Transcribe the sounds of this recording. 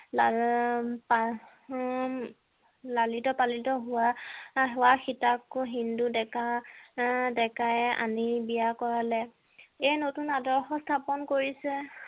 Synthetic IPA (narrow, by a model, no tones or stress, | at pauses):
la | pa | lalitɔpalitɔɦʊwaɦɛwaxitakːʊɦindudɛka | dɛkajɛʔa̰nibijakɔɹalɛ | ɛnotunadɔɹxɔstʰapɔnkoɹisɛ